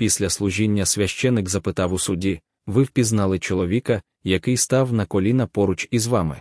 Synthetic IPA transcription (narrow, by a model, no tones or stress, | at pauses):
pʲisʲlʲɐslˠʊʒinʲːɐsʲʋʲɐʃt͡ʃɛnːɪkzɐpɪt̪ɑwʊsʊdʲi | ʋɪwpʲiznɑlˠɪt͡ʃɔlˠɔʋʲikɐ | jɐkɪjst̪ɑwnɐkɔlʲinɐpɔɾʊt͡ʃizʋɑmɪ̰